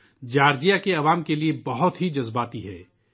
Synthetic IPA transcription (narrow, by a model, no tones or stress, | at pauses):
d͡ʒaːɾd͡ʒijakeɐʋaːmkeliebɐɦʊt̪ɦid͡ʒɐzbaːt̪iɦɛː